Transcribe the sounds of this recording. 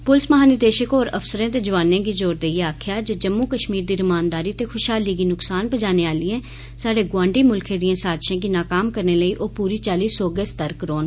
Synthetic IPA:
pʊlɪsməɦaːnɪɾd̪eːʃəkoːɾə̰fsəɾãːt̪eːd͡ʒəʋaːnẽːɡiːd͡ʒoːɾd̪eieaːkʰjaːd͡ʒəd͡ʒəmːuːkəʃmiːɾd̪iːɾɪmaːnd̪aːɾiːt̪eːkʰʊʃɦaːliːɡiːnʊksaːnpəd͡ʒaːneːaːliɛ̃ː | saːɖeːɡʋãːɳɖiːmʊlkʰẽːd̪iãːsaːd̪ʃãːk̬iːnaːkaːmkəɾneːləiːʔoːpuːɾiːt͡ʃaːliːsoːɡeːst̪əɾkɾoːn

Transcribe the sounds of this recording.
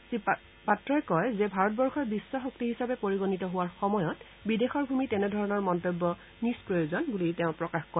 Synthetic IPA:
si | patɹɔjkɔjzɛbʱaɹɔt̚bɔɹxɔbisːɔxɔk̚tiɦisapɛpoɹiɡonitɔɦʊwaɹxɔmɔjɔt | bidexɔɹbʱumitɛnɛdʱɔɹɔnɔɹmɔntobːɔ | nispɹojozɔnbulitɛʊ̃pɹɔkaxkɔ

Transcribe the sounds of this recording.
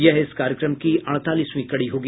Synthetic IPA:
jɐɦɪskaːɾjəkɾəmkiʔɐɽ̃t̪aːliːsmĩkɐɽiɦoːɡi

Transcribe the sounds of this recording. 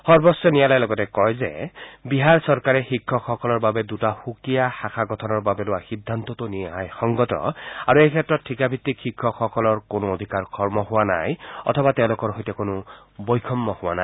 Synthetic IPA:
xɔɹbɔsːɔnijalajlɔɡɔtɛkɔjzɛ̰biɦaɹsɔɹkaɹɛxikʰːɔxɔkɔlɔɹbabɛdutahukijaxaxʰaɡɔtʰɔnɔɹbabɛlʊwaxidʱːant̪ɔtʊnijaɦajxɔŋɡɔtɔ̰aɹuejkʰɛtːɹɔtʰːikabʱit̪ːikxikʰːɔxɔkɔlɔɹkonʊod̪ʱikaɹkʰɔɹmɔɦʊwana̰jɔ̰tʰɔbatɛʊ̃lʊkɔɹɦɔjtɛkonʊ | bojkʰɔmːɔhʊwana̰jj

